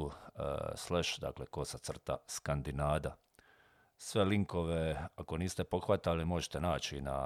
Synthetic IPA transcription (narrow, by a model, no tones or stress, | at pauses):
sleʃd̪a̰ːkleko̞sat̪sr̩t̪a̰skand̪inaːd̪a | sʋe̞liŋko̞ʋe̞ako̞niːst̪e̞po̞xʋat̪alimo̞ʒet̪e̞naːt͡ʃina̰